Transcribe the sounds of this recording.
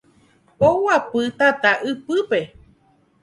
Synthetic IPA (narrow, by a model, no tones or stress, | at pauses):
owapɨt̪at̪aʔɨpɨpe